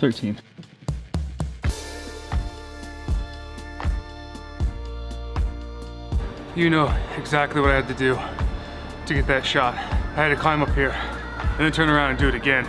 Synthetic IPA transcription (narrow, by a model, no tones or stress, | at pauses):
θɜ˞tʰĩn | jɨnoʊɨɡzæk̚tˡliwʌɾaɪɨd̚tɨdɨ | tɨɡɛt̪̚ðɨtʃɑt̚aɪhɨd̚tɨkʰl̥ãɪ̃mʌphiɹ | ɨ̃nðɨ̃ntʰɜ̃˞nə˞ãʊ̃ndɨ̃ndɨɨɾɨɡɛ̃n